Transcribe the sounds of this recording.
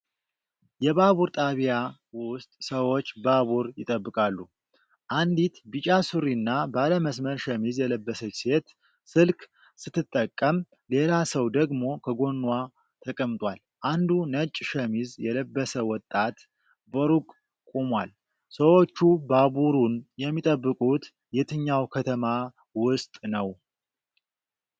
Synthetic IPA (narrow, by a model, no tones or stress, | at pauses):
jɛβaβuɾt̪ʼaβja | wʊst̪ʼsəwo̞t͡ʃːbaβuɾjɪt̪ʼəbːɨkʼalːu | ʔand̪it̪bit͡ʃʼasuɾinːabaləməsməɾʃəmizjɛləbːəsət͡ʃse̞t̪ | sɨlkʰʼ | sɨt̪ʰːɨt̪ʼːəkʼːəm | le̞lasəwd̪əɡmo̞kʰəɡo̞nːwa | t̪ʰəkʼəmt̪ʼwal | ʔand̪unət͡ʃʼːʃɛmizjɛləbːəsəwɔt̪ʼːat̪ | bəɾukʼ | kʼumwal | səwo̞t͡ʃːubabuɾunjɛmːit̪ʼəbːɨkʼut̪ | jɛt̪ʰɨɲːawkʰət̪ʰəma | wʊst̪ʼnəw